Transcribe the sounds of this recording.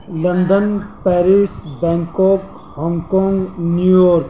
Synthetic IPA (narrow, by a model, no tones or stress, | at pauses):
lɐ̃nd̪ənpɛːɾisbɛŋkɔːk | hɔŋɡkɔ̃ːŋɡnjujoːɾk